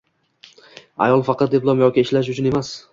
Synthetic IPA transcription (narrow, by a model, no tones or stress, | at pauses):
a̰jɒlˠfɑqʰɑt̪̚d̪eplˠɒmjɒkʲɪːʃlaʃ̬ʊt͡ʃʰʊne̞mas